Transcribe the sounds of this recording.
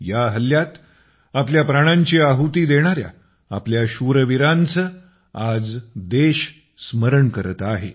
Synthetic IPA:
jaɦəljat̪ | apljapɾaɽ̃aɲt͡ɕiaɦut̪iːd̪eɽ̃aɾja̰ | a̰pljaɕuɾəʋiɾant͡sə | ad͡zd̪eɕ | sməɾəɳkəɾət̪aɦḛ

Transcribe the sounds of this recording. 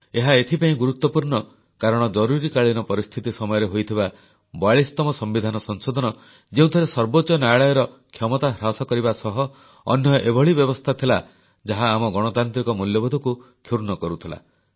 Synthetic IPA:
eɦaet̪ʰipaĩɡuɾut̪ːɔpuɾɳɔ | kaɾɔɽ̃ɔd͡ʒɔɾuɾikaɭinɔpɔɾist̪ʰit̪isɔmɔjɔɾeɦojt̪ʰiba | baɭist̪ɔmɔsɔmbid̪ʱanɔsɔŋsod̪ʱɔnɔ | d͡ʒeũt̪ʰɔɾesɔɾbot͡ʃɔnaɭɔjɔɾɔ | kʰjɔmɔt̪aɦɾasɔkɔɾibasɔɦɔ̰ː | njɔʔebʱɔɭibjɔbɔst̪ʰat̪ʰila | d͡ʒaɦaːmɔɡɔɽ̃ɔt̪ant̪ɾikɔmuljɔbɔd̪ʱɔku | kʰjuɾnɔkɔɾut̪ʰila̰

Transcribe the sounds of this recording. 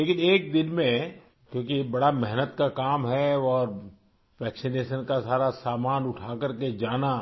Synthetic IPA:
leːkɪneːk̚d̪ɪnmẽ | kjõːkibɐɽamɛɦnət̪kakaːmɦɛɔːɾ | ʋɛːksɪneːʃənkasaːɾasaːmaːnʊʈʰaːkəɾked͡ʒaːna

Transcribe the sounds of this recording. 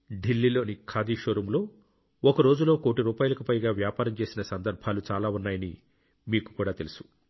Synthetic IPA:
ɖilːiːlo̞ːnikʰaːd̪iːʃoːɾɐmlo̞ː | ɔkɐɾo̞ːd͡ʒulo̞ːko̞ːʈiɾuːpaːjulɐkupɐjɡaːʋjaːpaːɾɐmt͡ʃe̞ːsinɐsɐnd̪ɐɾbʱaːlut͡ʃaːlaːunːaːjɐni | miːku̥kuːɽaːt̪e̞lusu̥

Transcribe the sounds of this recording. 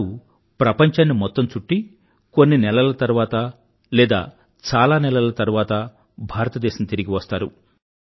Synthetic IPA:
u | pɾɐpɐɲt͡ʃaːnːimɔt̪ːɐmt͡ʃuʈːi | ko̞nːinɛlɐlɐt̪ɐɾuʋaːt̪ɐ | lɛːd̪a̰ː | t͡ʃaːlaːnɛlɐlɐt̪ɐɾuʋaːt̪ɐ | bʱaːɾɐt̪ɐd̪ɛːʃɐmt̪iɾiɡiʋɐst̪aːɾu

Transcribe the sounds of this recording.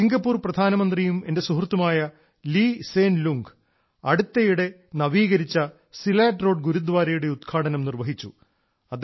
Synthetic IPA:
iŋɡɐpːuːrprɐd̪ʱaːnɐmɐnd̪rijume̞nde̞suɦrt̪ːumaːjɐ | liːseːnluŋɡ | ɐɽut̪ːɐjuɽe̞ | nɐʋiːɣɐɾit͡ɕːɐ | silaːʈro̞ːɖɡuɾud̪ʋaːɾɐjuɽe̞ud̪̚ɡʰaːʈɐnɐmnirʋɐɦit͡ɕːṵ | ɐd̪

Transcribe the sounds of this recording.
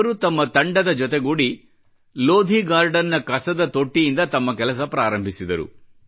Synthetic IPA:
ɐɾut̪ɐmːɐt̪ɐɳɖɐd̪ɐd͡ʒɔt̪eɡuɽi | loːd̪ʱiɡaːɾɖɐnːɐkɐsɐd̪ɐt̪o̞ʈːijind̪ɐt̪ɐmːɐkɛlɐs̬ɐpɾaːɾɐmbʱisid̪ɐɾṵ

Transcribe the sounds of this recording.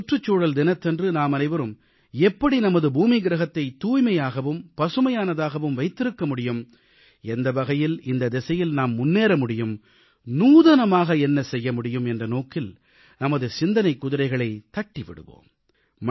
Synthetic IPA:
ʈrɯt͡ʃːuːɽɐld̪ɪnɐt̪ːɛndrɯnaːmɐnɐɪʋɐɾɯm | ɛpːɐɽinɐmɐðɯbuːmiɡɪɾɐɣɐt̪ːɐɪt̪ːuːjmɐjaːɣɐʋɯmpɐsɯmɐjaːnɐðaːɣɐʋɯmʋɐɪt̪ːɪɾɯkːɐmʊɽɪjɯm | ɛnd̪ɐbɐɣɐjɪlɪnd̪ɐd̪ɛsɐjɪlnaːmːʊnːeːɾɐmʊɽɪjɯm | nuːðɐnɐmaːɣɐɛnːɐsɛjːɐmʊɽɪjɯmɛndrɐnoːkɪl | nɐmɐðɯsɪnd̪ɐnɐɪkːʊðɪɾɐɪɣɐɭɐɪt̪ɐʈːiʋɪ̰ɽɯ̰ʋo̰ːmː

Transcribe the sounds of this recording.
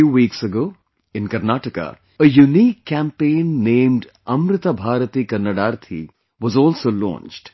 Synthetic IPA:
juːʋiːksəɡoː | ɪ̃nkɐɾnaːʈəka̰ | əjuniːkʰːæ̃mpẽːnːẽːmɖ | ɐmɾɪt̪abʱaːɾət̪ikɐnəɖaːɾt̪ʰḭ | ʋɔzɔːlsoːlɔ̰̃ːnt͡ʃɖ̥

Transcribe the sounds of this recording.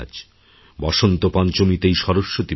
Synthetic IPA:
d͡ʑ | bɔʃont̪opant͡ɕomit̪ejʃɔɾoʃːot̪i

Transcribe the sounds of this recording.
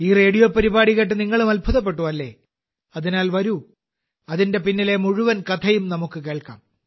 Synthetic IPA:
iːre̞ːɽijo̞ːpɐɾibaːɽiɣɐʈ̬ːɨniŋːɐɭumɐlbʱɐðɐp̬ːe̞ʈːuʋɐlːe̞̰ː | ɐðinaːlʋɐɾu | ɐðinde̞pinːile̞muɻuʋɐnkɐt̪ʰɐjumnɐmukːɨke̞ːɭka̰ːm

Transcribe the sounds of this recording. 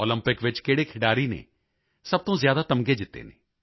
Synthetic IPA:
oːləmpɪkʋɪt͡ʃkeːɽeːkʰɪɽaːɾiːnḛː | səb̚t̪õːzjaːd̪aːt̪əmɡeːd͡ʒɪt̪ːḛːneː

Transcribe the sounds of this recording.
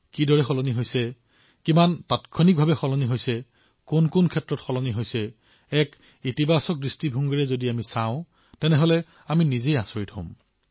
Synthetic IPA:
kidɔɹɛxɔlɔniɦojsɛ | kimanpatkʰɔnik̚bʱabɛxɔlɔniɦojsɛ | kʊnkʊnkʰɛtɹɔtxɔlɔniɦojsɛ | ɛk | itibasɔk̚dɹistibʱuŋɡɔɹɛzodiamisaʊ̃ | tɛnɛɦɔlɛ | aminizejasoɹithõ̰m

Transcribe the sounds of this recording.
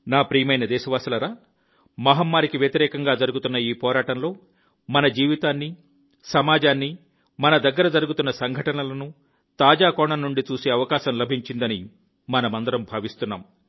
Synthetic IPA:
naːpɾiːmɐjnɐd̪ɛːʃɐʋaːsɐlɐɾaː | mɐɦɐmːaːɾikiʋjɐt̪iɾɛːkɐŋɡaːd͡ʒɐɾuɡut̪unːɐiːpɔːɾaːʈɐnlo̞ː | mɐnɐd͡ʒiːʋit̪aːnːi | sɐmaːd͡ʒaːnːi | mɐnɐd̪ɐɡːɐɾɐd͡ʒɐɾuɡut̪unːɐsɐŋɡʱɐʈɐnɐlɐnu | t̪aːd͡ʒaːkɔːɳɐnːuɳɖit͡ʃuːse̞ːɐʋɐkaːʃɐmlɐbʱiɲt͡ʃind̪ɐni | mɐnɐmɐnd̪ɐɾɐmbʱaːʋist̪unːa̰ːm

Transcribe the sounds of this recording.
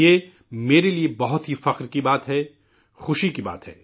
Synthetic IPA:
e | meːɾeliebɐɦʊt̪ɦifɐqɾkibaːt̪ɦɛ | xʊʃikiba̰ːt̪ɦɛ̰ː

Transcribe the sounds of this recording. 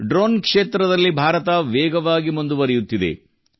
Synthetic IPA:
ɖɾoːnkʂeːt̪ɾɐd̪ɐlːibʱaːɾɐt̪ɐʋɛːɡɐʋaːɡimund̪uʋɐɾɛjut̪ːid̪ḛ

